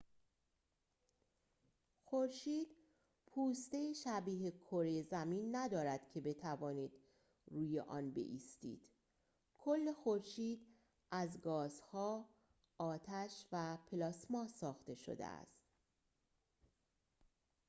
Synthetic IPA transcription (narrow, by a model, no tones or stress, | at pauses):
xo̞ɾʃiːd̪̥ | pʰuːst̪e̞jiʃæbiːɦekʰoɾejzæmiːnːæd̪ɒːɾæd̪̥cʰe̞be̞t̪ʰævɒːniːd̪̥ | ɾuːjeʔɒ̰ːnbe̞̰ʔiːst̪ḭːd̪̥ | kʰo̞lːe̞xoɾʃiːd̪ | ʔæzɡɒːzhɒː | ɒːt̪ʰæʃvæpʰelɒːsmɒːsɒːxt̪e̞ʃo̰d̪ḛæ̰st̪